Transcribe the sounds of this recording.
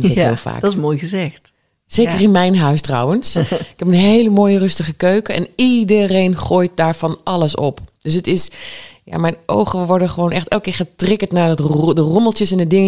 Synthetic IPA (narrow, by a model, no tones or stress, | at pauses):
ntɪkɪ̰ːlˠfa̰ːksmoːjɣəzɛxt | seːkərɪnmɛjnɦœɥstrɔ̰wənsɪkhɛpənɦejləmoːjərɵstəχəkøɥkəɛ̰nidərejnχoːjt̚daːɹfɑnɑləsɔ̰pd̥øs̬ətɪsja̰mɛjnʔo̰wχəʋɔɹdəχəʋoːnʔɛxtɛlˠkɪːɹχətrɪkətnaːɹdɔtdərɔməlˠtjəsɛndədɪŋə